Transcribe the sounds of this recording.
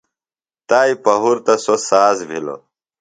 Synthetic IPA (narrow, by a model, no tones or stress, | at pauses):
t̪aːipɐɦuɾt̪ɐsosaːzbʱilo̰